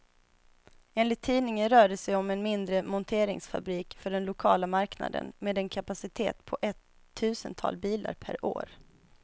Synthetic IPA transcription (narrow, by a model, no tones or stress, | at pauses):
eːnlɪt̪ʰːiːnɪŋənɾœːɖəsɛjɔmɛnmɪnd̪ɾəmɔnt̪ʰeːɾɪ̰ŋsfa̰bɾiːkfœɖɛnlʊkʰɑːlamaɾkna̰d̪ə̰nmeːd̪ɛnkʰapasɪt̪ʰḛːt̪pʰɔʔɛt̪ʰː | ʉ̟ːsənt̪ʰɑ̰ːlbiːla̰ɾpʰæ̰ɾo̰ːɾ